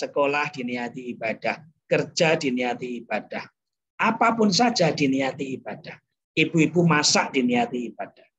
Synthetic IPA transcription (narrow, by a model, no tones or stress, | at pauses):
səkolahd̥inijat̪iːbad̥ah | kərd͡ʒʒ̥ad̥inijat̪iːb̥ad̥ah | ʔapapʊnsḁd͡ʒad̥inijat̪iib̥ad̥ah | ibuibumasaʔd̥inijat̪iib̥ad̥ah